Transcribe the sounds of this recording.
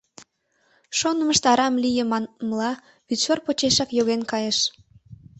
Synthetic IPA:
ʃonəməʃt̪ɑɾɑmlijəmmlɑ | βyt̪ʃorpot͡ɕeʃɑkjoɣenkɑjeʃ

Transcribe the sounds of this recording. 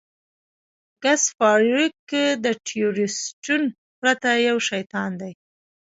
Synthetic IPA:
ɡ̥asfɑɾikd̪əʈʰijuɾɪsʈun | pɾat̪ajawʃajt̪ɑnd̪aj

